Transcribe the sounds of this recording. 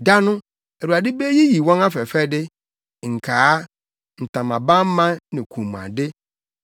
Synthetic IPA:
da˦nʊ̃˦ | ɛ˨ɾu˨a˨dɪ˦be˦ji˦ji˨wɔ̃˦na˦fɛ˨fɛ˦dɪ˦ | ŋ̩˨kʰa˨˦ | n̩˨tã˨mã˨bã˦m̩˦mã˦nɪ̃˨kʰũ˨m˨a̰˨dɪ˦

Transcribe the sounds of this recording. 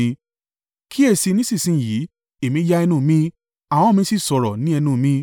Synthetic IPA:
kʰi˦e˦˧˨si˧nĩ˦si˦˨sĩ˨˦˨ji˨˦ | e˨mĩ˧˦d͡ʒa˦ɛ˧nũ˦˨mĩ˦ | a˨w̃ɔ̃˦mĩ˧si˦sɔ˨ɾɔ˨nĩ˨˦ɛ˧nũ˧˨mĩ˧˦

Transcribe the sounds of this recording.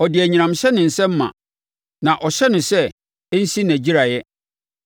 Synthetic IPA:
ɔ˨dɪ˨æ˨ɲĩ˨nã˨mɕɛ˦nɪ̃˨n̩˨sɛ̃˦m̩˦mã̰˨ | nã˨ʔɔ˨ɕɛ˦nʊ̃˨sɛ˦ | n̩˦si˦næ̃˨d͡ʑi˦ɾa˨jɛ˦

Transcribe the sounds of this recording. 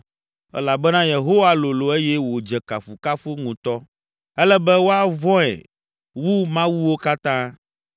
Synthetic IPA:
ɛ̰˦la˨bɛ˦nã˦je˨ɦo˦wa˦lo˨lo˨e˦jɛ˦wo˨d͡ʒɛ˨ka˨fu˨ka˦fo˦ŋũ˨t̪ɔ˦ | ɛ˦lɛ˦bɛ˦wo˦a˦vɔ̃˦ɛ̰˨ | wu˦mã˦wu˦wo˦ka˦t̪ã˦

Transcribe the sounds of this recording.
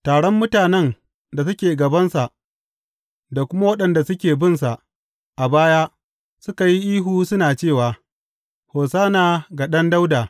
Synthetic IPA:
taː˨ɽɔ˦mːʊ˦taː˨nɛ˦n | da˨sʊ˦kʲeː˨ɡɐ˨bɐ˦nsa˨ʔ | da˨kʷʊ˦ma˦wɐ˦ɗɐ˨nda˨sʊ˦kʲeː˨bɪ˦˨nsa˨ʔ | ʔa˨baː˦jaː˦ | sʊ˦ka˨ji˦ʔiː˦ɦuː˦sʊ˦naː˨t͡ʃeː˦˨waː˨ | hoː˨saː˦naː˨ɡa˨ɗɐ˦nda˦wda˨

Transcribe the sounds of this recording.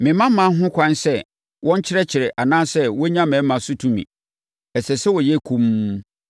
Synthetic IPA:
mɪ̃˨mã˦mã˨˦ɦʊ̃˦kʷʰã˦nsɛ˦ | wʔɔ̃˦ɲ˦t͡ɕʰɪ˦ɾɛ˦t͡ɕʰɪ˨ɾɛ˨ʔa˨nãː˦sɛ˦wɔ˦ɲã˦mɛ̃˨˦mã˨sʊ˦tʰũ˦mḭ̃˨ | ɛ˨sɛ˨sɛ˦wɔ˨jɛ˦kʰũ˦m˦

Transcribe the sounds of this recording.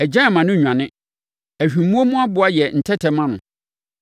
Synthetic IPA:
ɛ˨d͡ʑã˦˨mã˨nʊ̃˦˨ɲᶣ˨ã˨nɪ̃˦ | æ˨hᶣi˨˦mũ˦o˦mʊ̃˦a˦bʊ˨˦a˦jɛ˨n̩˨tʰɛ˦tʰɛ˨mã˦nʊ̰̃˨

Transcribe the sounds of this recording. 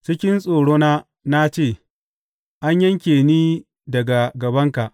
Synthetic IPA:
t͡ʃɪ˦kʲɪ˦nsʼoː˨ɽoː˦naː˦ | na˦t͡ʃeː˦˨ | ʔa˦ɲjɐ˦ŋkʲeː˨niː˦ | dɐ˨ɡa˨ɡɐ˨bɐ˦ŋka˨ʔ

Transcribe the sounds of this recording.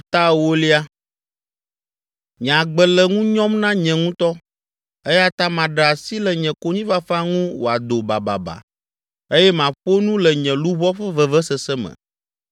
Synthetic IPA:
t̪a˦˨wo˦li˦a˦ | ɲĩ˨ã˨ɡ͡bɛ˨lɛ˨ŋũ˦ɲɔ̃˦mnã˦ɲɛ̃˨ŋũ˦t̪ɔ˦ | e˦ja˦t̪a˦mã˨ɖa˨si˦lɛ˨ɲɛ̃˨ko˦ɲĩ˦va˦fa˦ŋũ˦wo˨a˨d̪o˨ba˨ba̰˨ba̰˨ | e˦jɛ˦mã˨ɸo˦nũ˦lɛ˨ɲɛ̃˨lu˦βɔ˦ɸɛ˦vɛ˨vɛ˦sɛ˨sɛ˦mɛ̰̃˨

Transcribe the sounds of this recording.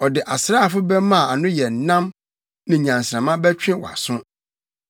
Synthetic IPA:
ɔ˨dɪ˨ʔa˨sɾa˦˨fʊ˦bɛ˦mã˦˨a˨nʊ̃˦jɛ˨n˨nã˦m | nã˨ɲã˨n˨sɾã˨mã˦bɛ˦t͡ɕᶣɪ̃˦wɔ̰˨a̰˨sʊ̃˦

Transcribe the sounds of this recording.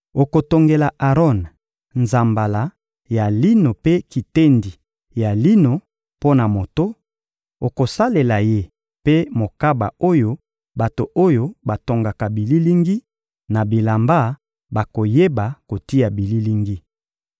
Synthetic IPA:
o˨ko˨to˨ŋɡe˨la˨ʔa˨ʁɔ˦˨n | nza˨mba˨la˨ | ja˨li˦no˨pe˦ki˨te˦ndi˨ | ja˨li˦no˨ | po˦na˨mo˨to˦ | o˨ko˨sa˦le˨la˨je˦ | pe˦mo˨ka˦ba̰˨o˦jo˦ | ba˨to˨ʔo˦jo˦ba˨to˨ŋɡa˨ka˨bi˨li˦li˦ŋɡi˦ | na˨bi˨la˨mba˦ | ba˨ko˨je˦ba˨ko˨ti˦ja˨bi˨li˦li˦ŋɡi˦

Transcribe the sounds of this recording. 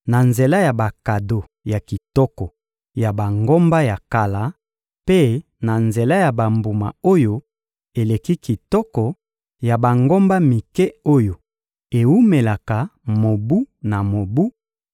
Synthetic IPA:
na˨nze˨la˦ja˨ba˨ka˨do˨ | ja˨ki˨tɔ˦kɔ˨ | ja˨ba˨ŋɡo˦mba˦ja˨ka˨la˨˦ | pe˦ | na˨nze˨la˦ja˨ba˨mbu˨ma̰˨o˦jo˦ | e˨le˨ki˦ki˨tɔ˦kɔ˨ | ja˨ba˨ŋɡo˦mba˦mi˨kɛ˦o˦jo˨ | e˨wu˦me˨la˨ka˨mo˨bu˦na˨mo˨bu˦

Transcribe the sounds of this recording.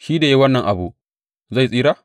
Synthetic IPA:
ʃiː˦da˨ji˦wɐ˦nːɐ˨ŋʔa˨bu˦ | za˦˨jsʼiː˦ɾaː˦

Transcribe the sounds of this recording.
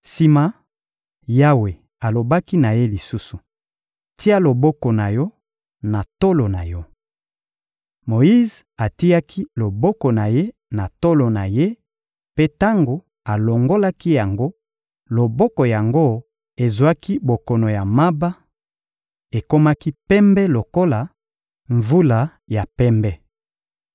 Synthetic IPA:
si˦ma˦ | ja˦we˨ | a˨lo˨ba˦ki˦na˨je˦li˨su˦su˨ | ti˦a˦lo˨bɔ˦kɔ˨na˨jɔ˦ | na˨to˦lo˨na˨jɔ˦ | mo˨ji˦z | a˨ti˦a˦kʰi˦lo˨bɔ˦kɔ˨na˨je˦ | na˨to˦lo˨na˨je˦ | pe˦ta˦ŋɡo˨ | a˨lo˨ŋɡo˦la˦ki˦ja˨ŋɡo˦ | lo˨bɔ˦kɔ˨ja˨ŋɡo˦ | e˨zwa˦ki˦bo˨kɔ˨no˨ja˨ma˦ba˦ | e˨ko˦ma˦ki˦pɛ˦mbɛ˦lo˨ko˦la˨ | ɱvu˦la˨ | ja˨pɛ˦mbɛ˦

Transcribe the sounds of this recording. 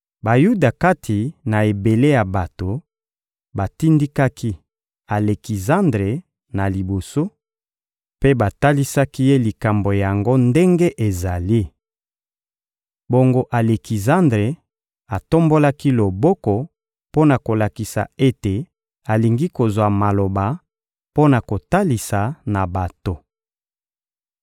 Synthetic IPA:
ba˨ju˦da˨ka˦tʰi˨na˨e˨be˨le˦ja˨ba˨to˨ | ba˨ti˦ndi˦ka˦kʰi˦ | a˨le˨ki˨zã˦ndʁe˨ | na˨li˨bo˨so˦ | pe˦ba˨ta˦li˦sa˦ki˦je˦li˨ka˨mbo˨ja˨ŋɡo˦nde˦ŋɡe˦ʔe˨za˨li˦ | bo˨ŋɡo˨ʔa˨le˨ki˨zã˦ndʁe˨ | a˨to˦mbo˦la˦ki˦lo˨bɔ˦kɔ˨ | po˦na˨ko˨la˨ki˨sa̰˨e˦te˨ | a˨li˨ŋɡi˦ko˨zwa˨ma˨lo˨ba˨ | po˦na˨ko˨ta˦li˨sa˨na˨ba˨to˨

